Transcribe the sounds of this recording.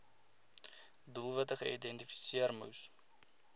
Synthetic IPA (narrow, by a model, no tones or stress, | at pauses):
dulˠvətəχəʔidɛntifi̥siərmṵws